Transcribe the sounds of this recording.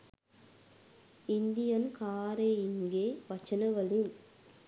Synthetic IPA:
ɪnd̪ɪjɐnkaːɾeɪŋɡeːʋɐt͡ʃːɐnɐʋɐɭɯn

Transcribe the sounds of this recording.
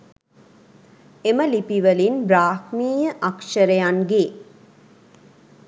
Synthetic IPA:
eməlipiʋəlinbɾaːhmiːjəʔakʃəɾəjaŋɡeː

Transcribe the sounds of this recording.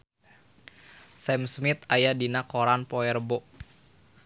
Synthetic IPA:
sɛmsmit̪ajadinakoɾanpɔɛrbɔ

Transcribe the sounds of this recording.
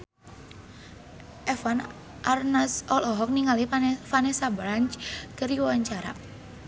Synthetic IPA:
ʔɛfan | ʔarnasɔlɔɦɔk̚niŋaliafanɛsabɾant͡ʃkəɾiwawaɲt͡ʃaɾa̰

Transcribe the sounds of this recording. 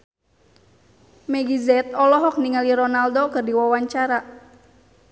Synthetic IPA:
mɛɡizɛt̪̚ɔlɔɦɔk̚niŋaliɾɔnaldokɨrdiwawaɲt͡ʃaɾa

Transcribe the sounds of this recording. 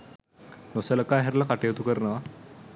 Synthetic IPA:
nosələkaɦɛɾlakaʈeʋt̪ukəɾnaʋa

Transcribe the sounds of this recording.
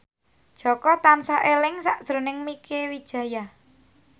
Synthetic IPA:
d̥ʒ̥ɔ̤kɔt̪ansaʔelɪŋsaʔd̪̥ɾo̤nɪŋmikʰewid̥ʒ̥ä̤ja

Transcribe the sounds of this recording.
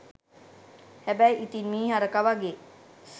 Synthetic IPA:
hæbæjʔit̪inmiːɦaɾəkaʋaɡeːs

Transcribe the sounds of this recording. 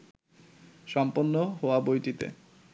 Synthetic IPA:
ʃɔmponːoɦoabojʈit̪ḛ

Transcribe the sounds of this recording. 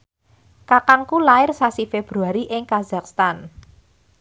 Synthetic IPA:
kakaŋkulaɪrsasifeb̥ɾuaɾiʔɪŋkazakst̪an

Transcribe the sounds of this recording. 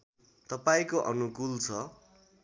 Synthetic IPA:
t̪ʌpaĩkoʔʌnukult͡sʰʌ

